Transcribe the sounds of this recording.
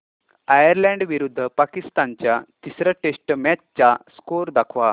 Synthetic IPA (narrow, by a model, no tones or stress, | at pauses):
ajəɾlɛ̃ɳɖʋiɾud̪ʱːəpakist̪ant͡ɕjat̪isɾəʈesʈmat͡ɕt͡ɕaskoɾd̪akʰʋa